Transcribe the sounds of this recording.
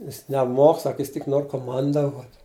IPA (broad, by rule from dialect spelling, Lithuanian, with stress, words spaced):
ˈjɪs nʲɛˈmoːk ˈsɐk ˈjɪs tʲɪk ˈnoːr koːˈmɐndɐʋoːtʲ